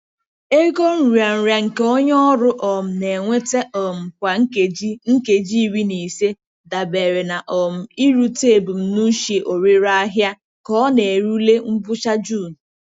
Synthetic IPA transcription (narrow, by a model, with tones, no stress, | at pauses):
e˦ko˦n̩˨ɾu˨a˨n̩˨ɾja˨ŋ̩˨ke˦o˦ɲ˦ɔ˦ɾʊ˦ʔɔ˨m̩˨ne˨ŋʷe˦te˦ʔɔ˨m̩˨kʷa˨ŋ̩˦e˨i˦ŋ̩˦ke˨d͡ʒi˦i˦˨wi˦ne˨se˦ | da˨be˨ɾe˨na˨ʔɔ˨m̩˨i˦ɾu˦te˦˨bu˨m̩˦nu˦ʃe˨ʔo˨ɾe˦ɾa˦a˦ɦja˦ | kɔ˦ne˨e˨ɾu˦le˦m̩˦bʊ˦t͡ʃa˦d͡ʒu˦˨n̩˨